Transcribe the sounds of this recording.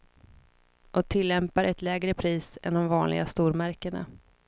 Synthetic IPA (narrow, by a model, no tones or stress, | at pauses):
ʔɔt̪ʰɪlːɛmpaɾɛt̪lɛːɡɾəpʰɾiːsɛnd̪ɔmvɑːnlɪ̰ɡast̪uːɾmæɾkəɳa̰